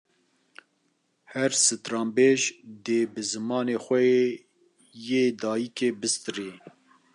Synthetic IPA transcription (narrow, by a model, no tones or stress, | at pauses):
hɛɾsɨt̪ɾɑːmbeːʒd̪eːbɨzɨmɑːneːxʷɛje | jeːd̪ɑːjikeːbɨst̪ɨɾeː